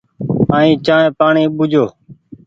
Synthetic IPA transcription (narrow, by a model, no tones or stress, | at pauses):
aːĩːt͡ʃãːẽːpaːɳiːɓʊd͡ʒʱoː